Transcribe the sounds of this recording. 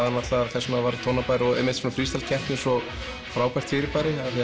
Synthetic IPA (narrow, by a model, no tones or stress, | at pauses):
ðanat̪laaɾθɛsːmavaːɾt̪ʰownapajɾɪɔɣɛ̰met̪sɛmfɾiːst̪al̥cʰɛr̥t̪nɪsɔ | fɾaːwpajr̥t̪fɪɾɪpaːjɾɪaθi